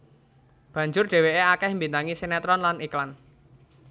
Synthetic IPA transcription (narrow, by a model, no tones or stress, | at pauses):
b̥a̤ɲd͡ʒʊrɖ̥e̤weeakɛhmbint̪aŋisenɛt̪ɾɔnlaniklan